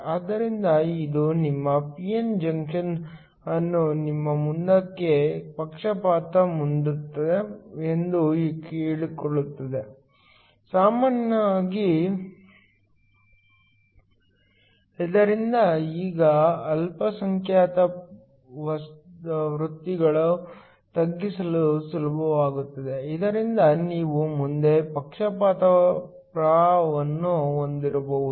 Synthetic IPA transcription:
aːd̪ɐɾind̪ɐid̪unimːɐpijend͡ʒɐŋkʂɐn | ɐnːunimːɐmund̪ɐkːe̞pɐkʂɐpaːt̪ɐmund̪ut̪ːɐd̪e̞end̪uikeːɭikoɭut̪ːɐd̪e̞ | saːmaːnɐaːɡi | id̪ɐɾind̪ɐiːɡɐːlpɐsɐŋkʰjaːt̪ɐ | ʋɐsʋɾut̪ːiɡɐɭu | t̪ɐɡːisɐlusulɐbʱɐʋaːɡut̪ːɐd̪e̞id̪ɐɾind̪ɐniːʋumund̪e̞pɐkʂɐpaːt̪ɐ | pɾaːʋɐnːuond̪iɾboʋu

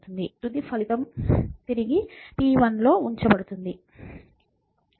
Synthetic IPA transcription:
t̪und̪it̪ud̪ipʰɐlit̪ɐmt̪iɾiɡipiːʋɐnlo̞ːuɲt͡ʃɐbɐɽut̪und̪i

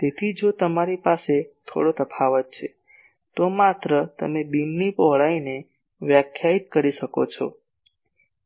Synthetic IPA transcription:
t̪et̪ʰid͡ʒot̪əmaɾipaset̪ʰo̰ɽot̪əpʰaʋət̪̚t͡ʃʰe | t̪omat̪ɾət̪ə̰mebinːipɔɦɭaine | ʋjakʰjait̪̚kəɾiʃəko̰t͡ʃʰɔ

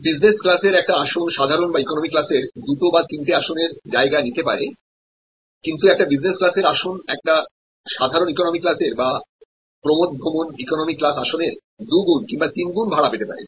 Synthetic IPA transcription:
bid͡ʑnesklaseɾɛk̚ʈaaʃonʃad̪ʱaɾonbaikonomikːlaseɾd̪uʈobat̪int̪eaʃoneɾd͡ʑaeɡanit̪epa̰ɾe | kint̪uɛk̚ʈabid͡ʑnesklaseɾaʃonɛk̚ʈa | ʃad̪ʱaɾonikonomikːlaseɾba | pɾomod̪̚bʱomonikonomikːlasaʃoneɾ | d̪uɡunkiŋbat̪inɡunbʱaɽapet̪epa̰ɾḛ

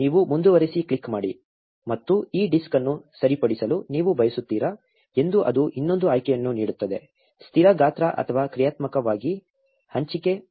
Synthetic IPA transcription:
niːʋumund̪uʋɐɾisikɭikːmaːɽi | mɐt̪ːuiːɖiskɐnːusɐɾipɐɽisɐluniːʋubʱɐjɐsut̪ːiːɾɐ | e̞nd̪uʔɐ̰d̪uʔinːo̞nd̪uaːjkɛjɐnːuniːɽut̪ːɐd̪e̞ | st̪ʰiɾɐɡaːt̪ɾɐʔɐ̰t̪ʰɐʋaːkɾijaːt̪mɐkɐʋaːɡi | hɐɲt͡ʃike

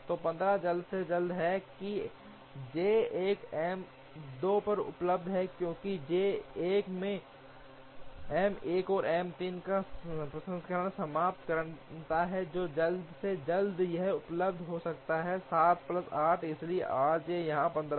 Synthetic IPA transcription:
t̪oːpɐ̃nd̪ɾad͡ʒɐld̪sed͡ʒɐld̪ɦɛki | d͡ʒeːeːkɛːm | d̪oːpɐɾʊ̰pləb̚d̪ʱɦɛkjõːkid͡ʒeːeːkmẽ | ɛːmeːkɔːɾʔɛːmt̪iːnkapɾɐsə̃nskɐɾnasɐmaːp̚t̪kɐɾt̪aɦɛd͡ʒoːd͡ʒɐld̪sed͡ʒɐld̪jɐɦʊpləbd̪ʱɦosɐkt̪aɦɛsaːt̪plɐsaːʈʰɪslieʔaːd͡ʒejɐɦãpɐ̃nd̪ɾ

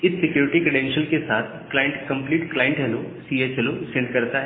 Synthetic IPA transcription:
ɪsːɪkjuːɾɪʈikɾeɖɛ̃nʃəlkesaːt̪ʰklaːjɪ̃ɳʈkɐ̃mpliːʈklaːjə̃ɳʈɦɛlosiet͡ʃɦɛlosɪ̃ɳɖkɐɾt̪aɦɛ

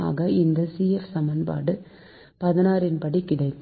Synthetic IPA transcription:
a̰ːɣɐɪnd̪ɐsiːɛfsɐmɐnpa̰ːɽɯ | pɐðɪnaːɾɪnpɐɽikːɪɽɐɪkː

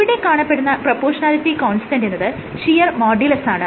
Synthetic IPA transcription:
iɽe̞kaːɳɐpːeɽunːɐprɐpːoːʂɐnaːlit̪ːikoːɳsi̥ʈɐnɖenːɐðɨ | ʂijɐrmoːɖilɐsaːɳɨ

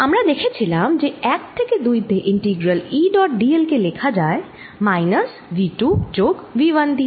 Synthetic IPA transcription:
ɦɐmɾad̪eːkʰet͡ʃʰilaːmd͡ʒeɛːk̚ʈʰːeked̪uːjt̪eʔɪ̃ɳʈiːɡɾəliɖɔːʈɖielkeleːkʰad͡ʒaːe | maːɪnəs | ʋiːʈud͡ʒoːkʋiʋənd̪ʱi

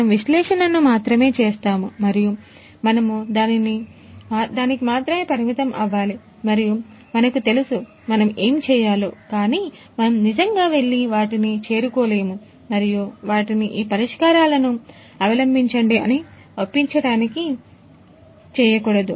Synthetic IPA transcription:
ɐɐmʋiʃlɛːʂɐnɐnːumaːt̪ɾɐme̞ːt͡ʃɛːst̪aːmumɐɾiju | mɐnɐmud̪aːniniaːd̪aːnikimaːt̪ɾɐme̞ːpɐɾimit̪ɐmʔɐ̰ʋːaːli | mɐɾiju | mɐnɐkut̪e̞lusu | mɐnɐme̞ːmt͡ʃɛːjaːlukaːniː | mɐnɐmnid͡ʒɐŋɡaːʋe̞ɭːiʋaːʈinit͡ʃe̞ːɾukoːle̞ːmu | mɐɾijuʋaːʈiniʔiːpɐɾiʂkaːɾaːlɐnu | ɐʋɐlɐmbʱiɲt͡ʃɐɳɖiɐ̰ni | ʋopːiɲt͡ʃɐɽaːniki | t͡ʃɛːjɐkuːɽɐd̪u

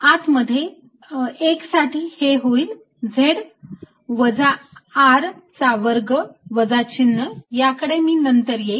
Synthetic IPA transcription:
at̪məd̪ʱːje | eksaʈʰiːheɦoiːl | d͡zʱeɽ | ʋəd͡zaːɾt͡saʋəɾɡəʋəd͡zat͡ɕinːəjakəɽemiːnənt̪əɾje

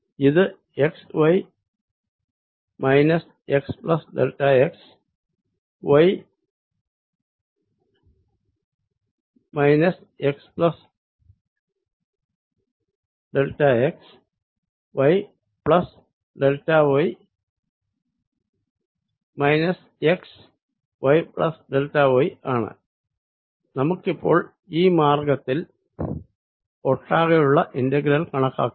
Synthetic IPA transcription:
jid̪ə | ekswɐj | majnɐs | eksplɐsdɐ̰lʈaeks | wɐj | majnɐs | eksplɐs | dəlʈaeks | ʋɐj | pɭɐs | ɖeltːaːʋoj | mɐjnɐs | eks | ʋɐjpɭɐ̰sɖeltːaːʋojaːɳɨ̰ | nɐmukːipːo̞̰ːɭ | iːmaːrɡɐt̪ːil | oʈːaːɣejuɭːɐʔindɐɡɾɐlkɐɳɐkːa̰ːkːu

